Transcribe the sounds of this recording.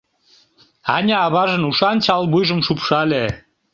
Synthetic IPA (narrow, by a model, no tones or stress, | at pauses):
ɑnʲæɑβɑʒə̆nuʃɑnt͡ɕɑlbujʒə̆mʃupʃɑlʲe